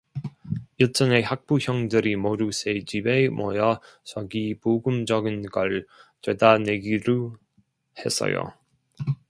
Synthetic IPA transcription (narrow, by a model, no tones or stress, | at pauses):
iɭt͡ɕ͈ʌne̞hak̚p͈uçjʌŋdɯɾimoɾusʰed͡ʑibemwʌjʌ | t͡ɕʌɡipoɡɯmd͡ʑʌɡɯnɡʌɭtwedaneɡiɾu | he̞s͈ʌ̰jo̰